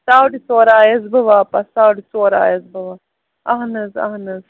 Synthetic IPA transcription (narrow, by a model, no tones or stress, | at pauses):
saːwɽisoːɾaːjɐzbɨʋaːpɐsaːwɽisoːɾa̰ːjɐzbɐʋaː | ɐɦnɐzɐ̰ɦnɐz